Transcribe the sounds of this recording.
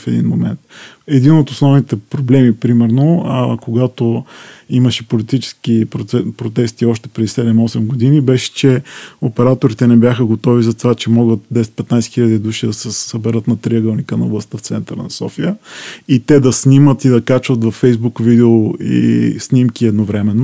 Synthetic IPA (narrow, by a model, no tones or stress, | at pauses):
fɛd̪ḭnmomɛ̰nt̪ | ɛd̪inot̪osnɔvnit̪ɛpɾoblɛmipɾimɛɾnokoɡat̪oiməʃɛpolit̪it͡ʃɛ̥skipɾot̪ɛst̪iɔʃt̪ɛ̥pɾɛd̪isɛd̪ɛmɔsɛmɡod̪inibɛʃɛ̥t͡ʃɛopɛɾat̪oɾit̪ɛnɛbʲjaxəɡot̪ɔvizɐt̪ovat͡ʃɛmɔɡət̪̚d̪ɛsɛ̥t̪̚pɛt̪najsɛ̥xilʎəd̪id̪uʃid̪ɐsɛsəbɛɾət̪nɐt̪ɾiəɡəlˠnikənɐo̰blˠɐst̪əft̪sɛnt̪əɾənɐsɔ̰fijəit̪ɛd̪ɐsnimət̪id̪ɐkat͡ʃvət̪vɐfːɛjzbukvid̪ɛoḭsnimkiɛd̪novɾɛmɛnːo